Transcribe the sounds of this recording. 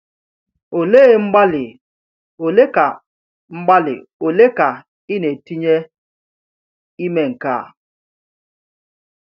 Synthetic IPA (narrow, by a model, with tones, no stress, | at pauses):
o˨le˦˨ŋ͡m̩˦ɡ͡ba˦lɪ˨ | o˨le˦ka˨ | ŋ͡m̩˦ɡ͡ba˦lɪ̰˨ | o˨le˦ka˨ | ɪ˦ne˨ti˦ɲe˦ | i˦me˦ŋ̩˨ka̰˦˨